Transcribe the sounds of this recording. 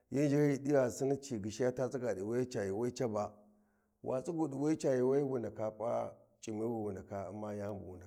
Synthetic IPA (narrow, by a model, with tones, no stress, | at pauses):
ji˦n˦d͡ʒi˦ji˨di˦wa˨si˦ni˦t͡ʃi˨ɡi˨ʃi˦ja˦ta˦t͡si˦ɡa˨di˨wa˦i˦t͡ʃa˨ji˨wa˦i˦t͡ʃa˦ba˨ | wʔa̰˨t͡sʼi˦ɡu˨di˨wa˦i˦t͡ʃa˨ji˨wa˦i˦bu˨nda˨ka˨pʼa̰˦ | t͡ʃʼi˨mi˦bu˨wu˨nda˨ka˨a̰˨ma˦ja˦m˦bṵ˨wu˨nda˨